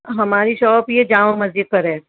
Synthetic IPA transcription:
ɦɐmaːɾiʃɔːpjed͡ʒãːʋmɐzd͡ʒɪk̪̚pɐɾɦɛː

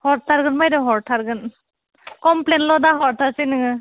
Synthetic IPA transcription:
hɔɾtʰaɾɡɯnmajdɔɦɔɾtʰaɾɡɯn | kɔmplenlɔdaɦɔɾtʰasinɯŋɯ

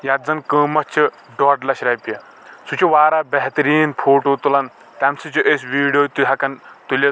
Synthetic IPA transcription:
jat̪̚zɐnkəːmɐt͡ʃʰi | ɖɔːʈlɐʃɾɐjpijɐ | sut͡ʃʰuʋaːɾabɐɦt̪ɾiːnpʰoːʈoːt̪ulɐn | t̪amsɨt͡ʃʰuʔesʲʋiːɖijoːt̪uɦɐkɐnt̪ulʲɐ

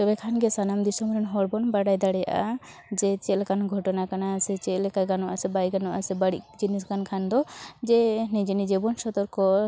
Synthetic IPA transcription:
t̪ɔbɛkʰanɡɛsanamd̪isɔmɔɾɛnɦɔɽbɔnbaɽajd̪aɽɛja̰ʔa̰ | d͡ʒɛt͡ʃɛlkanɡʱɔʈɔnakanasɛt͡ʃɛlɛkaɡanɔʔasɛbajɡanɔʔasɛbaɽiʔd͡ʒiniskankʰand̪ɔd͡ʒɛnɛ̃d͡ʒinid͡ʒɛbɔnsɔt̪ɔɾkɔ

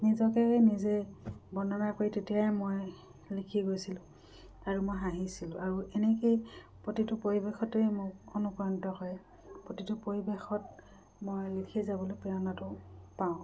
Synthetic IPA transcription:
nizɔkɛenizebɔnɔnakoitetijajmoj | likʰiɡojsilʊ̃ | aɹumojɦaɦisilʊ̰̃ʔaɹuenekej | pɹotitʊpoɹibexɔtejmʊkonukɹɔntɔkɔjɛ | pɹotitʊpoɹibexɔt̚ | mojlikʰezabɔlojpɛjɔnatʊpaʊ̃

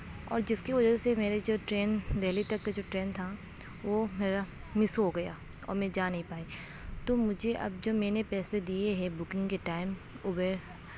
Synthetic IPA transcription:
ɔ̰ːɾd͡ʒɪskiʋɐd͡ʒəsemeːɾed͡ʒoːʈɾeːnd̪ɛːlit̪ɐkːad͡ʒoːʈɾeːnt̪ʰa | ʋomeːɾa | mɪsɦoɡɐja̰ː | ɔ̰ːɾmɛ̃ːd͡ʒaːnɐɦĩpaːe | t̪omʊd͡ʒʱeʔɐ̰b̚d͡ʒoːmɛːnepɛːsed̪ijeɦɛbʊkɪ̃ŋɡkeʈaːɪm | ʊːbəɾ

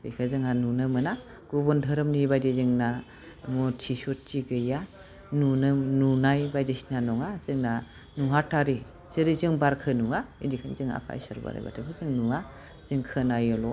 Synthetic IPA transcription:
dikʰɯzɯŋanunɯmɯna | ɡ̥ubɔndʰʱɯɾɯmnibajdizɯŋna | mɔtʰisutːiɡɯja | nunɯnunajbajdisnanɔŋazɯŋna | nuɦatʰaɾi | z̥ɯɾizɯŋbaɾkʰɯnuŋaḭdikʰanzɯŋa̰pʰa̰j̰sa̰ɾba̰ɾa̰jba̰tʰɯkʰɯzɯŋnua | z̥ɯŋkʰɯnajɔlɔ

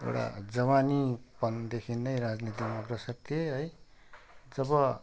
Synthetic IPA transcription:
ḛwɽa̰d͡zʌmanipʌnd̪ekʰinːʌjɾad͡znit̪ikmʌɡrʌsʌk̚t̪ʰeɦʌj | d͡zʌbʌ

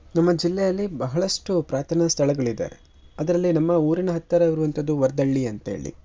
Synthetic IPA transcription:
nɐmːɐd͡ʒilːɛjɐlːibɐɦɐɭɐʂʈupɾaːt̪ʰɐnɐst̪ʰɐɭɐɡɐɭid̪a̰ːɾḛ | ɐd̪ɐɾɐlːinɐmːɐuːɾinɐɦɐt̪ːɐɾɐiɾuʋɐnt̪ɐd̪uʋɐɾd̪ɐɭːiɐnt̪ɐḛːɭḭ

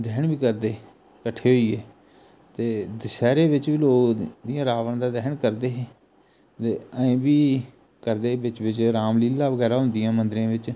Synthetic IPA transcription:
d̪ɛːɳbiːkəɾd̪eː | kəʈʰːeːɦoiːeː | t̪eːd̪ɪsɛːɾeːʋɪt͡ʃʋiːloːɡd̪ijãːɾaːʋãːd̪aːd̪ɛːɳkəɾd̪eːɦeː | t̪eːəẽːbiː | kəɾd̪eːʋɪt͡ʃʋɪt͡ʃɾaːmliːlːaːʋəɡɛːɾaːɦʊ̃nd̪ɪjãːmənd̪ɾẽːʋɪt͡ʃ

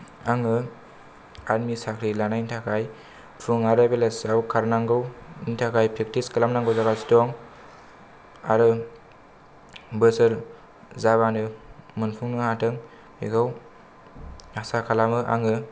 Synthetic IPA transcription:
aŋɯ | aɾmisakʰɾilanaintʰakʰaj | pʰuŋaɾabelasawkʰaɾnaŋɡɯwintʰakʰajpʰek̚tiskalamnaŋɡɯwzaɡasi̥tɔŋ | a̰ɾɯ | bɯsɯɾ | zaβanɯmɯnpʰuŋnɯhatɯŋ | pḛkʰɯw | asakʰalamɯʔa̰ŋɯ

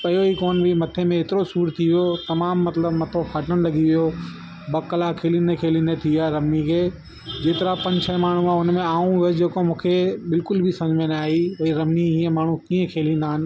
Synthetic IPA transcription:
pɐjoikoːnbʱimɐt̪ʰemẽeːt̪ɪɾosuːɾt̪ʰiʋijot̪ɐmaːmːɐt̪ləbmɐt̪ʰopʰaːʈəɽ̃lɐɠiʋijo | bɐkəlakʰeːlinekʰeːlĩnet̪ʰiaːɾɐmnikʰeː | d͡ʑeːt̪ɪɾapɐ̃ɲt͡ɕʰəmaːɳ̤ũaʊnmẽaːũəd͡ʑeːkomũːkʰebɪlkʊlbʱɪsɐ̃d͡ʑmẽːnaːɦiʋɐiɾɐmniiːə̃maːɳ̤ũkiːə̃kʰeːlĩːnd̪aːɦɪnɪ̆

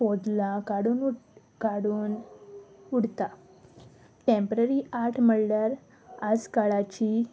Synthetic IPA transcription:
ɔd̪lãkaɽuːn | kaɽuːn | uɽt̪a | ʈempəɾəɾiaɾʈʰməɭɖəɾ | ad͡zkaɭat͡ɕi

